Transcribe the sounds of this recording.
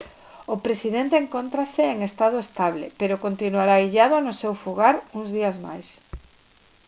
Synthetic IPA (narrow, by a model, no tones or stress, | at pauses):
ʊpɾesiðent̪eeŋkont̪ɾasɪːŋest̪að̞ʊest̪aβlḛpeɾokont̪inwaɾaiʎaðanʊsewfuɣaɾuŋzðiazma̰js